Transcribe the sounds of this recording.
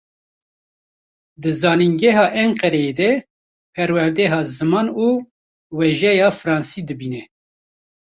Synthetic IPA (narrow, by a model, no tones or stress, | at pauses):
d̪ɨzɑːniŋɡɛɦɑːʔɛɴqɛɾɛjed̪ɛ | pʰɛɾwɛɾd̪ɛɦɑːzɨmɑːnuː | wɛʒɛjɑːfɨɾɑːnsiːd̪ɨbiːnɛ